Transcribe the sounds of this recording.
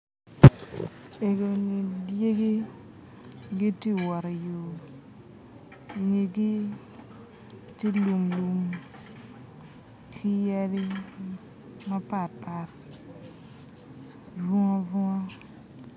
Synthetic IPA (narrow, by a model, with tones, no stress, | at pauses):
e˨ɡe˨ni˨dje˦ɡi˦ | ɡi˦ti˦wɔ˨ɾi˨jo˨ | i˨ŋe˨ɡi˦ | ti˦lu˨ŋlu˨m | kʰi˦jɛ˦ɾi˦ | ma˦pa˨ɾpa˨ɾ | vu˦ŋa˦vu˦ŋa˦